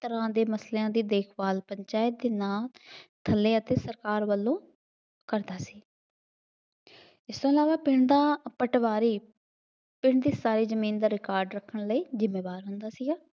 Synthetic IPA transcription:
t̪əɾãːd̪eːməsleːãːd̪iːd̪eːkʰbaːlpəɲt͡ʃaːɪt̪̚d̪eːnaːt̪ʰəlːeːət̪eːsəɾkaːɾʋəlːõː | kəɾd̪aːsi̥ː | ɪst̪õːɪlaːʋaːpɪɳd̪aːpəʈʋaːɾiː | pɪɳd̪iːsaːɾiːzəmiːnd̪aːɾɪkaːɾɖɾəkʰːəɳləiːzɪmːeːʋaːɾɦʊ̃nd̪aːsiːɡaː

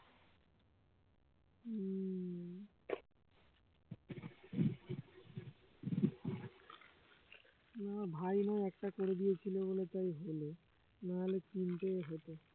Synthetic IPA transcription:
nabʱajnajɛk̚ʈakoɾed̪ijet͡ɕʰilebolet̪ajɦojle | nalekint̪eɦojt̪o

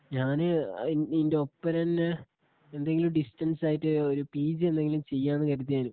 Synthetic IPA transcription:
ɲaːnɨ̰inde̞o̞pːɐɾɐn | e̞nd̪e̞ŋɡilumɖisʈɐnsaːjitːɨoɾupiːd͡ʑɨe̞nd̪e̞ŋɡilumt͡ɕe̞jːaːnːɨkɐɾut̪̬ːijaːnum

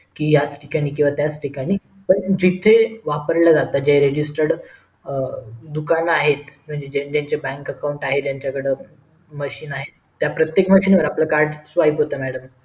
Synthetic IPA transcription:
kiːjat͡sʈʰi̥kaɽ̃iːk̬ĩw̃ʋat̪jat͡sʈʰikaɽ̃iː | pəɳd͡ʑit̪ʰeʋapəɾlad͡zat̪ad͡ʑeɦeɾed͡ʑisʈəɾɽ | d̪ukanaɦet̪m̤əɳd͡ʑed͡ʑed͡ʑaɲt͡ɕebɛ̃ŋkəkauɳʈaɦet̪jaɲt͡ɕjakəɽe | məɕiːnaɦet̪ːjapɾət̪jekməɕiːnʋəɾapləkaɾɖsʋaipɦot̪əmæɽəm

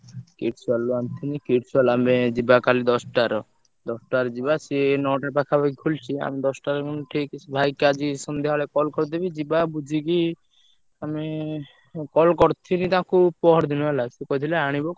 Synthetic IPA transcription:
kiʈsualuant̪ʰinikiʈsualamed͡ʒibakalid̪ɔsʈaɾɔ | d̪ɔsʈaɾɔd͡ʒibasinɔʈapakʰabʱaikʰult͡ʃʰia̰mid̪ɔsʈaɾkɔnʈʰikbʱajkad͡ʒisɔnd̪eɦalekɔlkɔɾd̪ebid͡ʒibabud͡ʒʱiɡi | ame | kɔlkɔɾt̪ʰinit̪ãkʰupɔɦɔɾd̪inuelasekɔt̪ʰileaɽ̃ibɔ

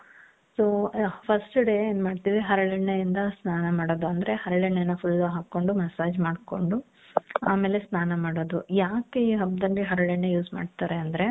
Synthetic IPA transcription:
soːpʰɐsʈɖeːeːnmaːɖt̪iːʋiɦɐɾɐɭeɳːejind̪ɐsnaːnɐmaːɽod̪uɐnd̪ɐɾe̞hɐɾɐɭeɳːɐnːɐpʰulːɐɦaːkːo̞ɳɖumɛsaːd͡ʒmaːɖko̞ɳɖu | aːme̞ːle̞snaːnɐmaːɽod̪ujaːkeiːɦɐbd̪ɐlːiɦɐɾɐɭeɳːejuːsma̰ːɖt̪aːɾeɐnd̪ɐɾe̞

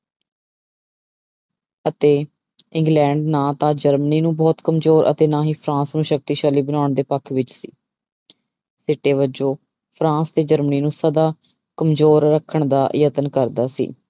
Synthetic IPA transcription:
ət̪eː | ɪ̃ŋɡlɛ̃ːɳɖnãːt̪ãːd͡ʒəɾməniːnũːbɔːt̪kəmzoːɾʔə̰t̪eːnãːɦiːpʰɾãːsnũːʃək̚t̪iːʃəːliːbənaːʊɳd̪eːpəkʰʋɪt͡ʃsḭː | sɪʈeːʋəd͡ʒoː | pʰɾãːst̪eːd͡ʒəɾməniːnũːsəd̪aː | kəmzoːɾːəkʰːəɳd̪a̰ːjət̪ənkəɾd̪aːsḭː

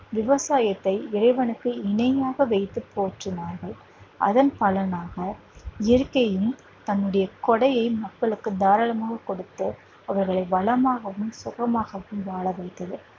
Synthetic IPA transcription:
ʋɪʋɐsaːjɐt̪ːɐɪɪɾɐɪʋɐnɯkːɯɪnɐjaːɣɐʋɛɪt̪ːɯpːoːʈrɯnaːɾɣɐɭ | ʔɐ̰ðɐnpɐlɐnaːɣɐ | ɪjɐɾkːɐjɯm | t̪ɐnːɯɽɐjɐkɔɽɐjɐɪmɐkːɐɭɯkːɯd̪aːɾɐlɐmaːɣɐkɔɽɯt̪ːɯ | ɐʋɐɾɣɐɭɐɪʋɐɭɐmaːɣɐʋɯmsʊɣɐmaːɣɐʋɯmʋaːɭɐʋɐɪt̪ːɐðɯ

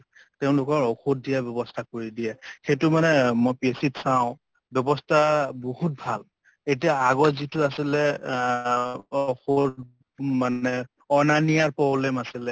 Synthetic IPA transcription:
teʊ̃lʊkɔɹɔxotdijabjɔbɔstʰakoɹidiɛxejtʊmanɛmɔjpesitsaʊ̃ | bjɔbɔstʰabohut̚bʱal | etiaaɡɔtzitʊasilɛ | ɔxo | maɛ | ɔnanijaɹpɹɔblɛmasilɛ

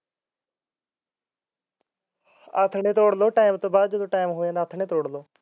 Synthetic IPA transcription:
ət̪ʰɳeːt̪oːɽloːʈaːimt̪õːbaːd̪̚d͡ʒəd̪õːʈaːɪmɦoːãːd̪aːt̪ʰɳeːt̪oːɽloː

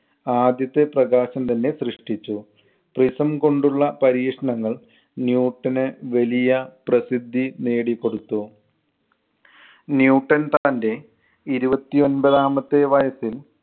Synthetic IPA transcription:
aːd̪jɐt̪ːe̞prɐɣaːɕɐmt̪ɐnːe̞srɨʂʈit͡ɕːu | prisɐmko̞ɳɖuɭːɐpɐɾiːkʂɐɳɐŋːɐɭ | njuːʈːɐnɨʋelijɐprɐsid̪ʱːineːɽikːo̞ɽut̪ːu | njuːʈːɐnt̪aːnde̞ | iɾubɐt̪ːio̞nbɐðaːmɐt̪ːe̞ʋɐjɐsil

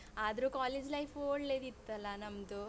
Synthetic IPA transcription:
aːd̪ɐɾukaːleːd͡ʒlɐjfʰoːɽleːd̪it̪ːɐlːɐnɐmɐd̪u

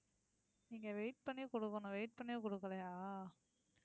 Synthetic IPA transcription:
niːŋɡɐʋeɪʈ̚pɐɳːikɔɽɯkːɐnʊ̃ʋɛɪʈ̚pɐɳːɪj̃kɔɽɯkːɐlɐjaː

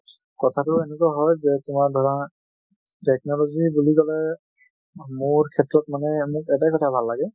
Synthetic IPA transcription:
kɔtʰatʊenɛkaɦɔjzɛtʊmaɹdʱɔɹan | tɛk̚nɔlɔzibulikɔlɛ | mʊɹkʰɛtɹɔt̚manɛmʊkɛtakɔtʰabʱalːaɡɛ

